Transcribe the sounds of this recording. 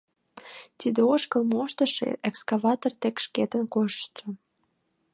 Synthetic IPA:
t̪id̪eoʃkəlmoʃt̪əʃḛekskɑβɑt̪ort̪ekʃket̪ənkoʃt͡ʃə

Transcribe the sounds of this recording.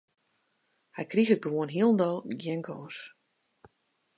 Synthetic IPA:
hɛjkrixət̚ɡəʋoənɦiəlˠn̩dɔlˠɡjɛŋɡʰoːs

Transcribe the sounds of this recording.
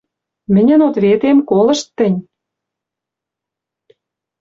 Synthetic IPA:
mɘ̆nʲə̆not̪βet̪emkolə̆ʃt̪ːɘ̆nʲ

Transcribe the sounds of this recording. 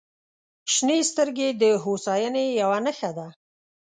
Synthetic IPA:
ʃnest̪əɾɡed̪əɦosɑjənejawanəxad̪a

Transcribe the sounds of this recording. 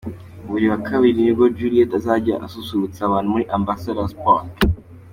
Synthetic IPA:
uβuɾiwakʰaβiɾinibɡod͡ʒuɾietazaɟa̰ʔa̰susuut͡saβaːn̥umuɾiʔambasadaspot

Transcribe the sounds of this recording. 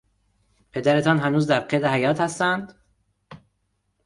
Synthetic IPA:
pʰe̞d̪æɾet̪ʰɒːnɦænuːzd̪æɾqʰed̪ehæjɒːt̪hæst̪ænd̪

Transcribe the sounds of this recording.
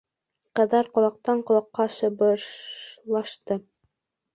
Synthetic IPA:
qɤ̆ðɑɾqŏlˠɑq̚t̪ɑɴqŏlˠɑqːɑʃɤ̆bɤ | lˠɑʃt̪ɤ

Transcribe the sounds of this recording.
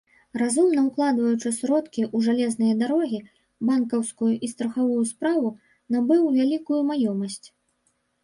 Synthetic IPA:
razumnɐwklˠad̪vɐjut͡ʂɨsɾɔt̪kʲiʔuʐalʲɛznɨjɐd̪aɾɔɣʲi | bankɐwskujuʔist̪ɾɐxavujuspɾavu | nabɨwvʲalʲikujumajɔmɐsʲt͡sʲ

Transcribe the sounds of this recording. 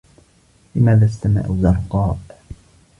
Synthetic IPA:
lɪmaːðaːst̪ama̰ʕzɑɾˤqɑːʔ

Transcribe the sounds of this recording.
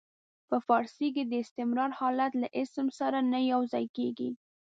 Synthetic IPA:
pəfɑɾsik̬ed̪əɪst̪ɪmɾɑɾhɑlat̪laʔɪsmsaɾanajawzɑjkeɡḭ

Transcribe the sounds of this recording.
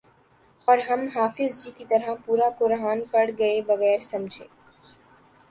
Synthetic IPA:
ɔːɾɦɐmɦaːfɪzd͡ʒiːkit̪ɐɾəpuːɾakʊɾɦaːnpɐɽɡɐebɐɣɛːɾsɐmd͡ʒʱeː

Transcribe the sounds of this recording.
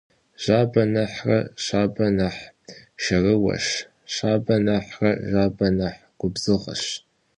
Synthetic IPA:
ʒ̥aːbɐnɐħrɐ̰ɕaːbɐnɐħʃɐrɨwɐ̰ʃ | ɕaːbɐnɐħrɐʒaːbɐnɐħ | ɡ̥ʷʊbzɨʁɐ̰ɕ

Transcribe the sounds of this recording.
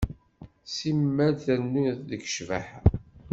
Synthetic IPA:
simːæθænːuðəɡʃvæħa

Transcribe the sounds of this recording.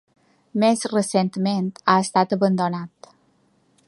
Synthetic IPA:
mezrəsent̪ment̪aəst̪at̪əβənd̪onat̪

